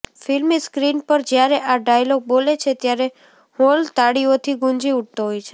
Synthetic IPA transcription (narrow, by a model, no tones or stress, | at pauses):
filmiskɾinpəɾd͡ʒjaɾeʔaɖajloɡ̚bolet͡ʃʰet̪jaɾe | holt̪aɽiot̪ʰiɡũnd͡ʒiuʈ̚t̪oɦɔjt͡ʃʰe